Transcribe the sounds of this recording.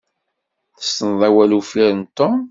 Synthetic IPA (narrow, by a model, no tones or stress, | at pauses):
θə̥st̪ənðˤæwælufiɾənt̪ːom